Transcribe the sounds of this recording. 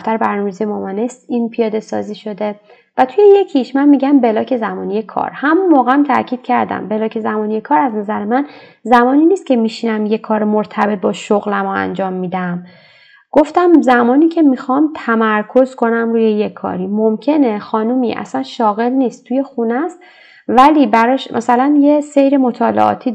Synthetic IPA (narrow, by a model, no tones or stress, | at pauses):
ft̪æɾbæɾnɒmezijemɒmænest̪iːnpʰijɒːd̪e̞sɒ̰ːziːʃo̞d̪e | væt̪ʰuje̞je̞cʰiʃmænmiɟæmbe̞lɒːcʰe̞zæmɒːnije̞kʰɒ̰ːɾhæmunmɒːɣeæmt̪ʰæ̰ɾcʰiːd̪̥cʰæɾd̪æ̰mbe̞lɒːcʰezæmɒːnijekʰɒːɾæznæzæɾemænzæmɒːniːnist̪cʲʰe̞miʃinæmje̞kʰɒːɾmoɾt̪ʰæbe̞t̪̚bɒːʃoɣlæmoæ̰nd͡ʒɒːmːiːd̪æm | ɡ̥oft̪æmzæmɒːniːcʰe̞mixɒːmt̪ʰæmæɾkʰo̞zkʰo̞næmɾuːje̞jekʰːɒ̰ːɾiːmomcʰe̞nexɒːnumḭʔæ̰sænʃɒːɣe̞lniːst̪t̪ʰuje̞xunæst̪ | væliːbæɾɒʃmʔæ̰sælænjesejɾemo̞t̪ʰɒːlḛʔɒ̰t̪ʰiː